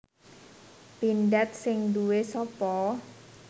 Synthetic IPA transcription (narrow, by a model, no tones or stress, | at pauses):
pinɖɛt̪̚sɪŋd̪uwesɔpɔ